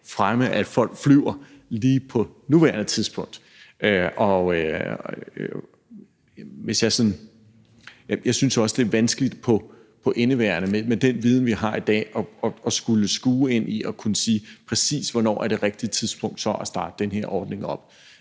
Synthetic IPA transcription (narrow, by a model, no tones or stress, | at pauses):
fʁaməʔæd̥fɒ̽l̰ɡ̥flyʊ̰ɐliːpʰɒ̽nuʋæɐnət͡sʰiðˠsb̥ɔ̽ŋ̰d̥ | ʔøɒ̽ø | ʋe̝sjɑ̈ɪsɒ̽n | jjɑ̈ɪsynsɒ̽sd̥e̝ɐʋænsɡ̥əlid̥pʰɒ̽ | pʰɒ̽ʔe̝nəʋæɐnəmemed̥enʋiːð̞ˠn̩ʋiɦɑ̈id̥ɛ̰ːɒɒ̽ɒ̽sɡ̥uləsɡ̥uːe̝n̰iʔɒ̽kʰunəsḭːpʰʁɛsḭːsʋɒnɒ̰ːæɐd̥e̝ʁeɡ̥̚d̥it͡sʰiðˠsb̥ɔ̽ŋ̰d̥sɒ̽ʔæsd̥ɑ̈ːd̥ə̥enhe̝ɐ̰ʔɒːd̥ne̝ŋɒ̽b̥̚